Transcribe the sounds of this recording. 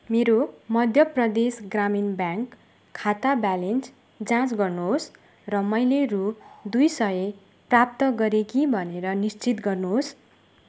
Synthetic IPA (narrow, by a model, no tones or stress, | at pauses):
meɾomʌd̪ʱjʌprʌd̪esɡraminbjãŋkʰː | at̪abalens | d͡zãt͡sɡʌrnuɦos | rʌmʌjlerud̪ujsʌe | prap̚t̪ʌɡʌɾekibʱʌneɾʌnist͡sit̪ɡʌrnuɦos